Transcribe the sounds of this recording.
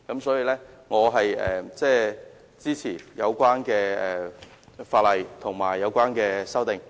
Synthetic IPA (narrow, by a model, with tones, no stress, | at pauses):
kɐ˨˥msɔː˨˥jiː˧lɛː˥ŋɔː˨˧ɦɐ˨jɛ̰˨t͡sɛː˥˧ | t͡siː˥t͡sʰiː˨˩jɐ˨˧wkʷwaː˥nkɛː˧ɛː˨ | faː˧t̚lɐ˨jt̪ʰʊ˨˩ŋmaː˨˩jːɐ˨˧wkʷaː˥nkɛː˧sɐ˥wt̪ɪ˨ŋ